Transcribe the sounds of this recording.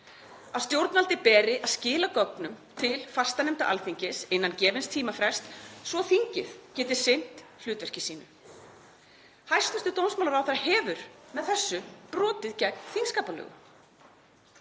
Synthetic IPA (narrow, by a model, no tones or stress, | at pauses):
aðst̪jowɾt̪nvalt̪ɪpɛːɾɪʔaðscɪːlakɔknʏmt̪ʰɪlfḁst̪anɛmt̪a̰ʔa̰lθiɲcɪsɪnːancɛːvɪnst̪ʰiːmafɾɛ̥st̪svɔθiɲcɪθcɛːt̪ɪ̥sɪn̥t̪l̥ʏːt̪vɛr̥cɪsiːnʏ | hajst̪vɛst̪ʏt̪ownsmawlaɾawθaɾahɛːvʏɾ̥mɛðθɛsːʏpɾɔːt̪ɪðcɛknθinskaːpalœ̰ːɣʏ̰